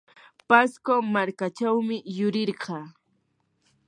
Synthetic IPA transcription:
paskomaɾkat͡ʃawmɪjʊɾɪɾɢɑː

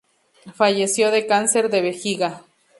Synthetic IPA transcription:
faʝesjoðekanseɾd̪eβexiɣa

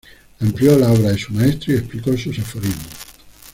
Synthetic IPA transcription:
empljoloβɾaðesumaest̪ɾoiesplikosusefoɾimo

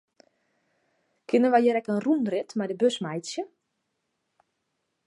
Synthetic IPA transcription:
kʰɪnənʋajəɾɛkənrunrɪtmajdəbøsmɛjsjə

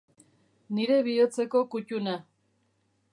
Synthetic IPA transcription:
niɾe̞βiot͡se̞ko̞kuc̪una

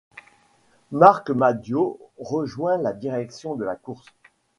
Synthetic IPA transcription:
maʁkmad̪joʁəʒwɛ̃lad̪iʁɛksjɔ̃d̪əlakuʁs

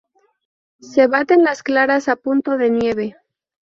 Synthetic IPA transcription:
se̞βat̪e̞nlasklaɾasapunt̪o̞ðe̞nje̞β̞e̞

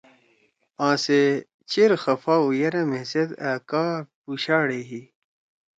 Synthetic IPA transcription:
ãːse | t͡ɕiɾxɐfaːujɐɾɐmesed̪akaːpuɕaːɽeɦi

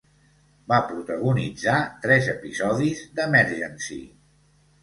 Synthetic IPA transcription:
bapɾut̪əɣunid͡zat̪ɾɛzəpizɔðizd̪əmɛɾʒənsḭ

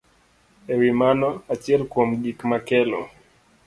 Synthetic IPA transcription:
ɛɾimanɔat͡ʃɛlkwɔmɡikmakɛlɔ̰

